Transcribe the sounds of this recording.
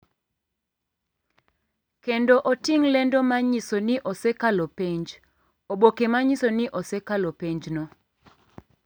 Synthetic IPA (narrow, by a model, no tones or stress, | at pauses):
kendoʔotiŋlɛndɔmaɲisonɪʔosɛkalopeɲd͡ʒ | oɓokemaɲisonɪʔosɛkalopeɲd͡ʒnɔ